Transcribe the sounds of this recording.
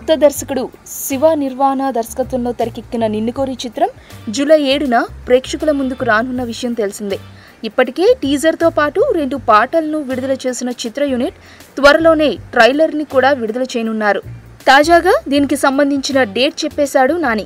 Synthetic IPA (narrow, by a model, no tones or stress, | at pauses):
ɐt̪ːɐd̪ɐɾsɐkuɽusiʋaːniɾʋaːnaːd̪ɐɾsɐ̥kɐt̪ʋɐmlo̞ːt̪ɐɾɐkikːinɐniɳːikoːɾit͡ʃit̪ɾɐm | d͡ʒulɐjeːɽunɐpɾeːkʂɐkulɐmund̪ukuɾaːnunːɐʋiʂɐjɐmt̪e̞lisind̪i | ipːɐʈike̞ːʈiːd͡ʒɐɾt̪o̞ːpaːʈuɾe̞ɳɖupaːʈɐlɐnuʋiɽud̪ɐlɐt͡ʃe̞ːsinɐt͡ʃit̪ɾɐjuniʈ | t̪ʋɐɾɐlo̞ːne̞ːʈɾɐjlɐɾnikuːɽaːʋiɽud̪ɐlɐt͡ʃejnunːaːɾu | t̪aːd͡ʒaːɡaːd̪iːnikisɐmbɐnd̪ʱiɲt͡ʃinɐɖe̞ːʈ̚t͡ʃɛpːɛːsaːɽunaːni